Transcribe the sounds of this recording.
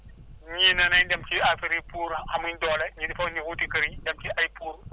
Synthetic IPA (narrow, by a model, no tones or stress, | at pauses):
ɲinanaindamkiafiɾipuɾuhamundɔːlaɲidifanibutikɐɾidamkʲiʔajpuːɾu